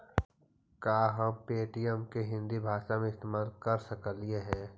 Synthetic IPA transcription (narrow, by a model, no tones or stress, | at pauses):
kaːɦɐpeːʈijəmkeɦɪ̃nd̪ibʱaːʃamẽɪst̪eːmaːlkɐɾsɐkəlieɦɛ̃ː